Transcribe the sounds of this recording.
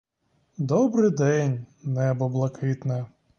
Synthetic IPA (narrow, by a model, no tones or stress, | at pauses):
d̪ɔbɾɪd̪ɛnʲnɛbɔblˠɐkʰɪt̪nɛ